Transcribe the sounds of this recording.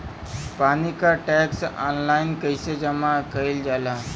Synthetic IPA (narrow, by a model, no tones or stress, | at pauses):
panikaʈɛksɔ̰nlainkəjsed͡ʑəmakəild͡ʑala